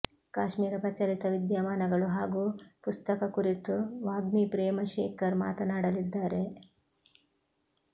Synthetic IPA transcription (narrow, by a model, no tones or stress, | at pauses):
kaːʃmiːɾɐpɾɐt͡ʃɐlit̪ɐʋid̪jaːmaːnɐɡɐɭuɦaːɡuːpust̪ɐkɐkuɾit̪uʋaːɡmipɾeːmɐʃeːkɐɾma̰ːt̪ɐnaːɽɐlid̪ːaːɾe̞